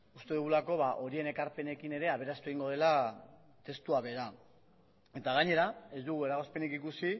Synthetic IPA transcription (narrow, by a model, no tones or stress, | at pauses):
ust̪e̞ðuɣulako̞βaʔo̞ɾie̞ne̞kaɾpe̞ne̞kine̞ɾe̞aβe̞ɾast̪ue̞ɣiŋɡo̞ð̞e̞la | t̪e̞st̪uaβe̞ɾa | e̞t̪aɣaɲe̞ɾae̞zd̪uɣue̞ɾaɣospe̞nikikusi